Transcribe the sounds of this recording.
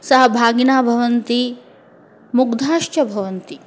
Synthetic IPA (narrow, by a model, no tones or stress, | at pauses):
sɐɦɐbʱaːɡinaːbʱɐʋɐnt̪i | muɡd̪ʱaːʃt͡ʃɐbʱɐʋɐnt̪i